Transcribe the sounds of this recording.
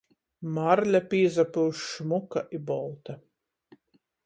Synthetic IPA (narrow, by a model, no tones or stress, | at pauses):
maɾlʲapʲiːzapɨʃmukaʔibɔlˠt̪a